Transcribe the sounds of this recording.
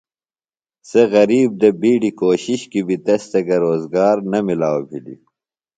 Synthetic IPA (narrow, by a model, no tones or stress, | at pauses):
seɣɐɾiːb̚d̪ɐbiːɖikoːɕiɕkibʱit̪ɐst̪ɐɡɐɾoːzɡaːɾnɐmilaːobʱilḭ